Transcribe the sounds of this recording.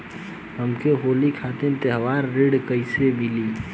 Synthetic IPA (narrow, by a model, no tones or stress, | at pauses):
ɦəmkeɦoːlikʰaːt̪ẽnt̪eɦʋaːɾːeɽkəɪsemɪliː